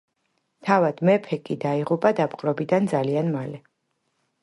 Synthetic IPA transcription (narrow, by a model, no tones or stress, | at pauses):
t̪ʰavad̪̥mɛpʰɛkʼid̪aiʁupʼad̪apʼqʼɾɔbid̪and̪zalianmalɛ